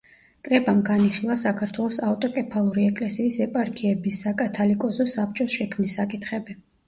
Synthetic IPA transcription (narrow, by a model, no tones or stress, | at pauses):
kʼɾɛbamɡaniχilˠasakʰaɾt̪ʰwɛlˠɔsavt̪ʼɔkʼɛpʰalˠuɾiɛkʼlɛsiːsɛpʼaɾkʰiɛbisːakʼat̪ʰalikʼɔzɔsap̚t͡ʃʼɔsʃɛkʰmnisakʼit̪ʰχɛbi